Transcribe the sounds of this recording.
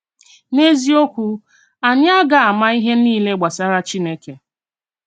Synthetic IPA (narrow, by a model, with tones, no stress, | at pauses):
ne˦zi˦o˦kʷu˦ | a˨ɲa˦a˦ɡa˦a˨ma˦i˦ɦe˦niː˦le˦ɡ͡ba˨sa˦ɾa˦t͡ʃi˦ne˦ke˨